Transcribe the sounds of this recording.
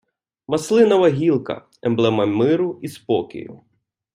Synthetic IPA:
mɐslˠɪnɐʋɐɦʲilˠkɐ̰ | ɛmblˠɛmɐmɪɾʊispɔkʲɪ̰jʊ̰

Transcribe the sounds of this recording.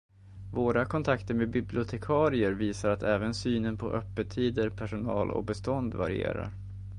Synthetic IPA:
voːɾakʰɔnt̪ʰakt̪əɾmeːd̪bɪblɪʊt̪ʰɛkʰɑːɾɪəɾviːsaɾat̪ʰɛːvənsyːnənpʰɔ̰ʔœpːət̪ʰːiːd̪əɾpʰæʂʊnɑ̰ːlɔ̰k̚bɛst̪ɔnd̪va̰ɾɪ̰ḛːɾa̰ɾ

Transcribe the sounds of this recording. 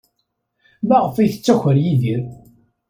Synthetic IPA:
mæʁəfiθə̥t͡sːæçəɾjiðiɾ

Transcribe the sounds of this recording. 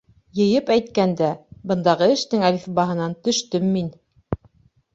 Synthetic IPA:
jɤ̆jɤpæjt̪̚kænd̪æbɤ̆nd̪ɑʁɤɘ̆ʃt̪ɘŋæliθbɑɦɤ̆nɑnt̪ɵ̆ʃt̪ɵmːin

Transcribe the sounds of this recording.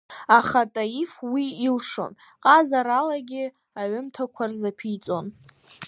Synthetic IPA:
aχatʼajifwiːlʂo̞̰n | qʼazaɾalaɡʲɪ | aɥʊmtʰakʷʰarzapʰit͡sʼo̞n

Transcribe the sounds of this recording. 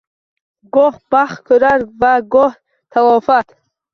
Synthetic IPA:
ɡɔhbaχkʰoɾaɾvaɡɔh | t̪ʰalɔfat̪

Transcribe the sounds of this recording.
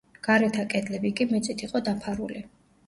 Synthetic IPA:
ɡ̥aɾɛt̪ʰakʼɛd̪lɛbikʼimɛt̪sʼit̪ʰiqʼɔd̪apʰaɾṵli

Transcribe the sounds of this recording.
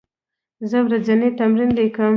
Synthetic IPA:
zəwɾad͡zanet̪amɾinlikəm

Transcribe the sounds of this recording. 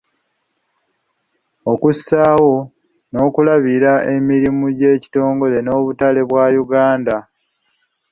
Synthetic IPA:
okusaːwo̞ | no̞ːkulaβiɾaʔe̞miɾimuɟe̞ːci̥to̞ːŋɡo̞le̞no̞ːβutale̞βwaːjuɡaːnda

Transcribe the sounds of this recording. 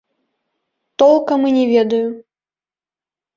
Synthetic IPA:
t̪ɔlˠkɐmɨnʲɛvʲɛd̪ɐju

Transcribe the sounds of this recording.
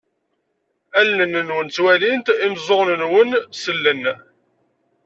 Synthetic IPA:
ælːənənwənt͡sːwælint̪imzˤoʁnənwənsəlːən

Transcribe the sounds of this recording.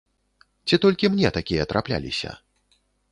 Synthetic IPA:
t͡sʲit̪ɔlʲkʲimnʲɛt̪akʲijɐt̪ɾʔaplʲa̰lʲḭsʲɐ̰

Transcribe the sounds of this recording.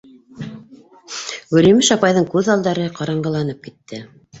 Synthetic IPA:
wɵ̆ɾimɘʃɑpɑjðɤŋkʉðɑlˠd̪ɑɾɤqɑɾɑɴɢɤ̆lˠɑn̪ɤp̚kit̪ːɘ

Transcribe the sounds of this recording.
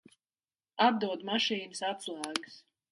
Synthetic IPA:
ab̚d̪uɔd̪maʃiːnɨsat̪slˠaːɡɨs

